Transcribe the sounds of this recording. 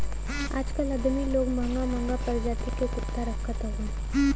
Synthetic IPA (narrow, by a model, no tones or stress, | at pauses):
a̰ːd͡ʒkəlɐd̪miloːɡməŋɡamə̃ŋɡapɐɾd͡ʒaːt̪ikekʊt̪ːaɾɐkʰːət̪aɦũː